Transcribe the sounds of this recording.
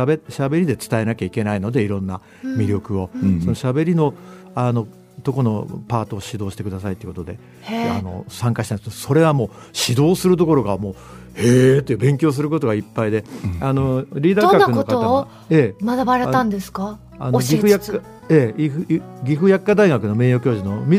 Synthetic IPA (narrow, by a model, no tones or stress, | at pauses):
eɕabe̞ɾʲid̪e̞t͡sɨ̥t̪ae̞nakʲaike̞naino̞d̪e̞iɾõ̞nːa | mʲiɾʲo̞kɯ̟o̞so̞no̞ɕabe̞ɾʲino̞ | ano̞ | t̪o̞ko̞no̞̰paːt̪o̞ːɕid̪o̞ːɕi̥t̪e̞kɯ̟d̪asait̪eieko̞t̪od̪e̞ | ano̞̰sãŋkaɕi̥t̪anskedoso̞ɾe̞βamo̞ː | ɕid̪o̞ːsɨɾɯ̟t̪̬o̞ko̞ɾo̞ɡamo̞ː | het̪ːeɯbẽ̞ŋkʲo̞ːs̬ɨɾɯ̟ko̞t̪o̞ɡaipːaid̪e̞ano̞ɾʲiːd̪akakaɯnotkaoa | e̞mad̪abaɾet̪ãnd̪e̞sɨ̥ka | anɡʲiɯjakːa | eiɯɡʲiɸɯ̟jakːad̪aiɡakɯ̟no̞me̞ːjo̞ːkʲo̞ːʑino̞mʲi